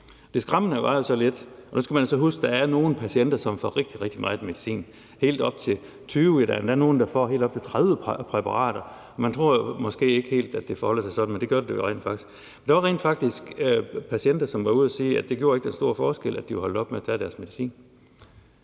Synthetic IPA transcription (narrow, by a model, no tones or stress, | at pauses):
d̥e̝sɡ̥ʁɑmənəʋɑ̈jo̝sɒ̽led̥ʔɒ̽nusɡ̥æmænosɒ̽ɦusɡ̥̚d̥ɑ̈æɐno̝ːn̩pʰæsen̰d̥ɐsɒ̽mfɒʁeɡ̥̚d̥iʁeɡ̥̚d̥imɑ̈ːðˠeme̝ðˠisḭːn | he̝̰ːld̥ɒ̽b̥̚t͡sʰe̝ | t͡sʰyːidæ̰ndæɐno̝ːn̩d̥ɑ̈fɒ̰ɦe̝̰ld̥ɒb̥̚t͡sʰe̝t͡sʰʁaðˠʋəpʰʁɛpʰɑ̈ʁɑ̰̈ːɾ̥ɐ | ɒ̽mænt͡sʰʁo̝ɐ̰jomɒ̽sɡ̥e̝̰ːe̝ɡ̥əhe̝̰ːld̥æd̥e̝fɒhɒ̽l̰sɑ̈ɪsɒ̽d̥n̩mend̥eɡjoɐɾedejoʁḛːn̥fɑ̈ɡ̥i̥sɡ̥ | mend̥ɑʋɑ̈ʁḛːnd̥fɑ̈ɡ̥̚d̥isɡ̥pʰæsien̰d̥ɐsɒ̽mʋɑ̈uð̰ˠæsiːæd̥e̝ɡjo̝ːɐeɡ̥d̥enso̝ɐ̰fɒːsɡ̥elʔæd̥iʋehɒldɒ̽b̥meæt͡sʰæɐɾ̥æɐsme̝ðisḭːn